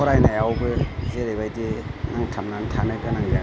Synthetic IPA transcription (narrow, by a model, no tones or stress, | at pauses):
ɔɾajnajawbɯzeɾebajdenaŋtʰamnantʰanajkanaŋa